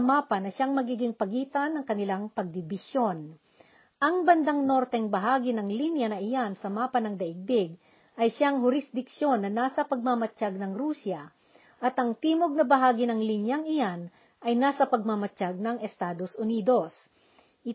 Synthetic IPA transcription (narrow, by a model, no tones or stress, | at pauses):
ɐmaːpɐnɐʃaŋmɐɡiːɡɪŋpɐɡiːt̪ɐnːɐŋkɐnɪlaŋpɐɡ̚d̪ɪbɪsjo̞n | ʔɐŋbɐnd̪aŋno̞ɾt̪ɛŋbɐɦaːɡɪnɐŋlinjɐnɐʔɪjansɐmaːpɐnɐŋd̪ɐʔɪɡ̚b̪ɪɡ̚ | ʔɐjʃaŋhʊɾɪsd̪ɪkʃo̞nːɐnaːsɐpɐɡ̚mamɐt͡ʃaɡ̚nɐŋɾuːsjɐ | ʔɐt̪ʔɐŋt̪iːmoɡ̚nɐbɐɦaːɡɪnɐŋlinjaŋɪjan | ʔɐjnaːsɐpɐɡ̚mamɐt͡ʃaɡ̚nɐŋɛst̪aːd̪osʔʊniːd̪o̞s | ʔɪ